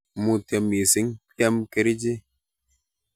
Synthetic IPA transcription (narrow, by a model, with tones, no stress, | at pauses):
mu˨tɛ˨mi˨si˦ŋkɛ˦mke˨ɾi˦d͡ʒi˦